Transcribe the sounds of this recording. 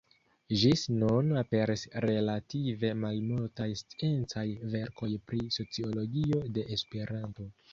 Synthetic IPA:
ʒisnunape̞ɾʔisɾe̞lative̞malmultajst͡sie̞nt͡sajve̞ɾko̞jpɾiso̞t͡sio̞lo̞ɡio̞de̞ʔːspe̞ɾanto̞

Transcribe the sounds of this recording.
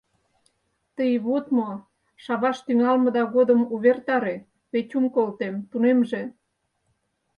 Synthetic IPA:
t̪əjβot̪mo | ʃɑβɑʃt̪yŋɑlmə̆d̪ɑɣod̪əmuβert̪ɑɾe | βet͡ɕumkolt̪emt̪unemʒe

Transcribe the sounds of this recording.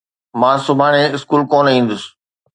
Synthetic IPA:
mãːsʊbʱaːɽ̃ẽɪskuːlkoːnĩːn̆d̪ʊs

